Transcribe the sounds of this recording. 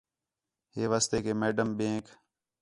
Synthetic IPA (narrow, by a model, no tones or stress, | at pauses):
ɦeːʋaːst̪eːkeːmeːɖəmbẽːk